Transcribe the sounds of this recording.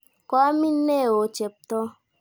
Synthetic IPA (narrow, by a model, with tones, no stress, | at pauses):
kɔ˦a˦mĩ˦ne˦˨wo˨˦t͡ʃe˨p̚t̪ɔ˦